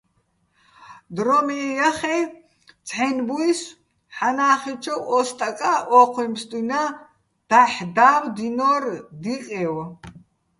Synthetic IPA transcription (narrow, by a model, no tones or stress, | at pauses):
d̪ɾɔmijaχɛj | t͡sʰħɛnbuis | ħanaːχit͡ʃʰɔwʔɔst̪ʼakʼaʔɔqʰimst̪ʼina | d̪̥aħd̪awd̪inɔrd̪iqʼɛw